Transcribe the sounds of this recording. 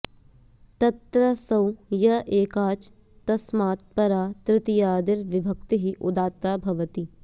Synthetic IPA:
t̪ɐt̪ɾɐsɐwjɐʔeːkaːt͡ʃ | t̪ɐsmaːt̪̚pɐɾaːt̪ɾɪt̪ijaːd̪ɪɾʋɪbʱɐkt̪iɦiʔʊd̪aːt̪aːbʱɐʋɐt̪i

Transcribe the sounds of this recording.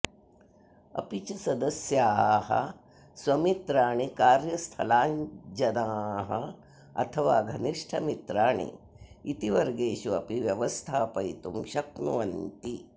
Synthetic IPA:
ɐ̰pit͡ʃisɐd̪ɐsjaːɦɐ̰ | sʋɐmit̪ɾaːɳikaːɾjɐst̪ʰɐlaːɲd͡ʒɐnaːɦɐ̰ | ɐ̰t̪ʰɐʋaːɡʱɐniʂʈʰɐmit̪ɾaːɳḭː | t̪iʋɐɾɡeːʃuɐ̰piʋjɐʋɐst̪ʰaːpɐjt̪umʃɐknuʋɐnt̪i

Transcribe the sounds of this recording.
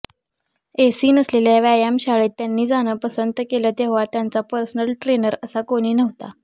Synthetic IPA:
esiːnəsleljaʋajamɕaɭeːt̪ːjanːiːd͡zañəpəsənt̪əkeləːt̪eɦʋat̪jant͡sapəɾsənəlʈɾenəɾəsakoɽ̃iːnəʋt̪a

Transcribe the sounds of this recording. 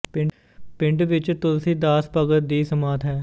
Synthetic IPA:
pɪ | pɪ̃ɳɖʋɪt͡ʃt̪ʊlsĩːd̪aːspəɡət̪̚d̪iːsəmaːt̪ɦɛː

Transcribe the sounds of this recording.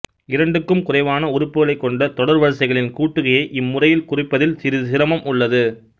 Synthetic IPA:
ɪɾɐɳɖɯkːɯmkʊrɐɪʋaːnɐʊɾʊpːɯɣɐɭɐɪkːɔɳɖɐt̪ɔɽɐɾʋɐɻɐsɐɪɣɐɭɪnkuːʈːɯɣɐjɐɪʔɪmːʊrɐjɪlkʊrɪpːɐðɪlsɪɾɪsɪɾɐmɐmʊɭːɐðɯ

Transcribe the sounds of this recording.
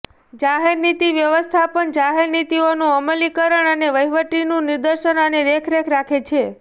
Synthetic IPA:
d͡ʒaɦeɾnit̪iʋjəʋəst̪ʰapəɳd͡ʒaɦeɾnit̪ionũəməlikəɾəɳəneʋəjʋəʈinũnɪɾd̪əɾʃənəneɾekʰɾekʰɾakʰet͡ʃʰe

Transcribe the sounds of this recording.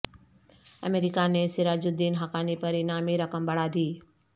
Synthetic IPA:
ə̰meɾɪkanesiɾaːd͡ʒʊd̪iːnɦakaːnipɐɾinaːmiɾəkəmbɐɽaːd̪ʱiː

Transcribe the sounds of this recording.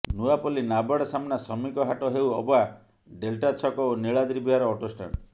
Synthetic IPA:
nuapɔlinabaɽɔsamnasɔmikɔɦaʈɔɦewɔba | ɖelʈat͡ʃʰɔkɔoniɭad̪ɾibiɦaɾɔːʈosʈa̰n

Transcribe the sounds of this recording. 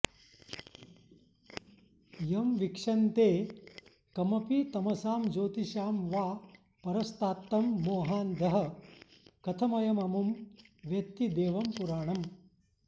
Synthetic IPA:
jɐmʋikʂɐnt̪eː | kɐmɐpit̪ɐmɐsaːmd͡ʒoːt̪iʃaːmʋaː | pɐɾɐst̪aːt̪ːɐmːoːɦaːnd̪ʱɐɦɐ | kɐt̪ʰɐmɐjɐmɐmumʋjɐt̪ːid̪eːʋɐmpuɾaːɳɐm

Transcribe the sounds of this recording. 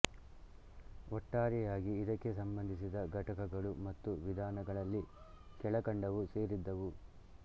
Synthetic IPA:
ɔʈːaːɾijaːɡiːd̪ɐkːe̞sɐmbɐnd̪ʱisid̪ɐɡʱɐʈɐkɐɡɐɭumɐt̪ːuʋid̪ʱaːnɐɡɐɭɐlːi | kɛɭɐkɐɳɖɐʋuse̞ːɾid̪ːɐʋu

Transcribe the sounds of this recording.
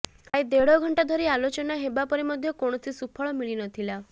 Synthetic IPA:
kajd̪eɽɔɡʱɔɳʈad̪ʱɔɾealot͡ʃɔnaɦebapɔɾimɔd̪ʱjɔkoɳ̃ɔsʰisupʰɔɭɔmiɭinɔt̪ʰila

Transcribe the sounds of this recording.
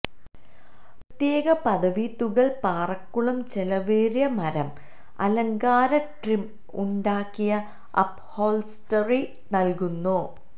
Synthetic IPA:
prɐt̪jeːɣɐpɐd̪ɐʋit̪uɣɐɭpaːrɐkːuɭɐmt͡ɕelɐʋeːɾjɐmɐɾɐm | ɐ̰lɐŋɡaːɾɐʈrim | uɳɖaːkːijɐ | ɐ̰phoːlstɐri | nɐlkunːu

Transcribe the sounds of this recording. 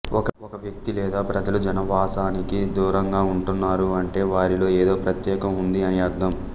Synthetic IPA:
ɔkɐɔkɐʋjɐk̚t̪ilɛːd̪aːpɾɐd͡ʒɐlud͡ʒɐnɐʋaːsaːnikid̪uːɾɐŋɡaːuɳʈunːaːɾuɐɳʈe̞ːʋaːɾilo̞ːeːd̪o̞ːpɾɐt̪jɛːkɐmund̪iɐniɐɾt̪ʰɐm

